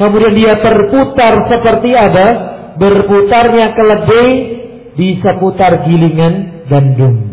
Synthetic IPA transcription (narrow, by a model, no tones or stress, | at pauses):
kəmudiandiat̪ərput̪arsəpərt̪iaba | bərput̪arɲakələbɪh | bisaput̪arɡiliŋan | ɡandʊŋ